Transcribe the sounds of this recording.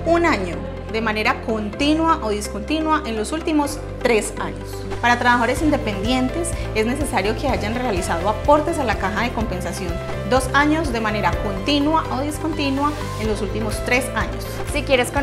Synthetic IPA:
unaɲo | d̪e̞mãne̞ɾako̞nt̪inwaʔoðisko̞nt̪inwaʔe̞nlo̞sult̪imo̞s | t̪ɾe̞saɲos | paɾat̪ɾaβaxaoɾe̞sind̪e̞pe̞nd̪je̞nt̪e̞se̞zne̞se̞saɾjoke̞aʝanre̞alisaðoapo̞ɾt̪e̞salakaxaðe̞ko̞mpẽ̞nsasjo̞n | d̪o̞saɲo̞zd̪e̞mane̞ɾako̞nt̪inwaʔoðisko̞nt̪inwa | e̞nlosult̪imo̞st̪ɾe̞saɲos | sikjeɾes

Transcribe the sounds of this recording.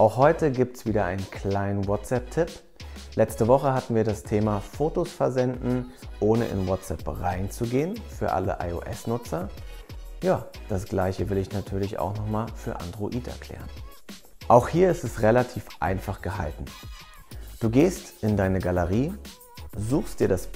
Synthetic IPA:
ʔaʊxhɔʏtəɡiːp̚tsv̥iːdɐʔaɪnənkʰl̥aɪnənwɔtɛp̚tʰɪp | lʔɛt͡stəvɔχəhatn̩viːɐɾastʰeːmafoːtosfɛɐzɛndn̩ʔoːnə̰ʔɪ̰nwɔtt͡sʔɛ̰pʁaɪnt͡suɡeːənfyːɐʔa̰lə̰ʔa̰ɪo̰ʔɛ̰snʊt͡sɐ | jaːd̥asɡ̥laɪçəvɪlɪçnatʰyːɐlɪça̰ʊxnɔχmaːlfyːɐʔa̰ndʁoʔiːtɛ̰ɐkʰl̥ɛ̰ːʁən | ʔaʊxhiːɐɪstɛsʁelatʰiːfʔa̰ɪnfaχɡ̥əɦa̰ltn̩ | d̥uːɡeːstʔɪndaɪnəɡaləʁiː | zuːxstd̥iːɐɾas

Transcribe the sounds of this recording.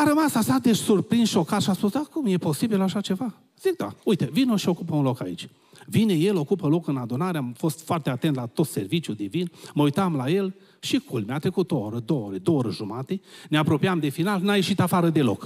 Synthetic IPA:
aɾəmasasad̪e̞ʃsurpɾinsʃo̞kat̪ʃiaspusakumje̞po̞sibilaʃat͡ʃe̞va | z̥ik̚d̪a̰ujt̪evinoʃio̞kupəunlo̞ka̰ḭt͡ʃʲ | vineje̞lo̞kupəlo̞kɨnad̪unaɾeamfo̞st̪foart̪eat̪e̞nt̪lat̪o̞t̪se̞rvit͡ʃjud̪evinməujt̪amlaje̞l | ʃikʰulmeat̪ɾe̞kut̪ooɾəd̪o̞woɾed̪ooɾəʒumat̪eneapɾo̞piamd̪e̞finalnaje̞ʃit̪afaɾəd̪e̞lo̞̰k

